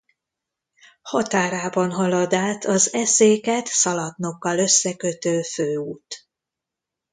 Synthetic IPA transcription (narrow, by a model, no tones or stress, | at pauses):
hɒt̪aːɾaːbɒnɦɒlod̪aːt̪ʰɒzɛseːkɛt̪sɒlɒt̪no̞kːɒlø̞sːɛkøt̪øːføːuːt̪